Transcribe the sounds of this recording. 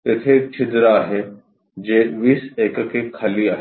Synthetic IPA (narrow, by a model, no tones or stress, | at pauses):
et̪ʰek̚t͡ʃʰɪd̪ɾaɦɛ | d͡ʒeːʋiːseːkkekʰɐliaːɦ